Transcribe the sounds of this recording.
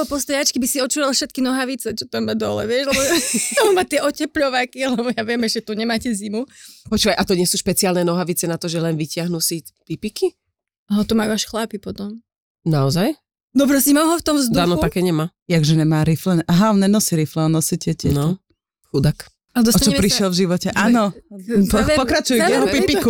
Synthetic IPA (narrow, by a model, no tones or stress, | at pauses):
ɔpɔst̪ajat͡ʃkibisiɔt͡ʃuːɾalfʃɛt̪kinɔɦaʋit͡sɛt͡ʃɔt̪amːad̪ɔlɛ̰ʋɪɛʃlɛbɔɛmɔmat̪ɪɛʔɔcɛpʎɔʋakilɛbɔjaʋɪɛmɛʃɛt̪uɲɛmaːcɛzimupɔt͡ʃuːʋajʔat̪ɔɲɪɛsuːʃpɛt͡siaːlnɛnɔɦaʋit͡sɛnat̪ɔʒɛlɛnʋicɪaɦnusi | pipiki | aɦɔt̪umajuaʃxlapipɔt̪ɔm | naɔzaj | nɔp̬ɾɔscɛmamɦɔft̪ɔmvzd̪uaːnɔupakɛɲɛmajaɡʒɛnɛmaːɾiflɛnʔaɦanɛnɔsiɾiflɛɔnɔsicɛcɛ̰nɔɔ | xud̪ak | alɛd̪ɔsɔtat͡ʃɔɛɛpɾiʃɪɛlvʒiʋɔcɛʔaːnɔ | pɔkɾat͡ʃujujɛɦɔpipiku